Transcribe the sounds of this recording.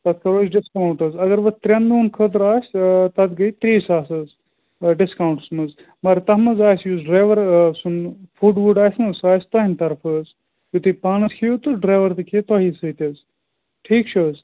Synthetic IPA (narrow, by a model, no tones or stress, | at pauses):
t̪ɐt̪̚kʰɐɾoːsɖiskawɳʈɐzɐɡɐɾʋɐt̪ɾʲɐnd̪uːnkʰəd̪ɾaːsʲt̪ɐt̪ɡɐjt̪ɾiːsaːsɐz | ɖiskawɳʈsmɐz | mɐɾt̪ɐɦmɐzaːsjuːzɖɾaːjʋɐɾsunfuːɖʋuɖaːsʲmɐsaːsʲt̪ɐɦint̪ɐɾpʰəːz | jut̪ɨpaːnɐshʰiut̪uɖɾaːjʋɐɾt̪ɨkʰit̪ɔɦisɐt̪ʲɐz | ʈʰiːkt͡ʃʰoːz